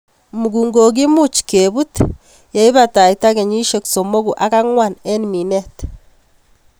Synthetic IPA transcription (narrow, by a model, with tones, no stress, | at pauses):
mu˨ɡuː˨ŋɡo˨ɡi˦mu˦t͡ʃke˨βu˦t | ja˦i˦βata˨i˨ta˦ke˨ɲi˦ʃekso˨mo˦ɣu˨ʔa˦ka˦ŋwane˦nmi˨ne˦t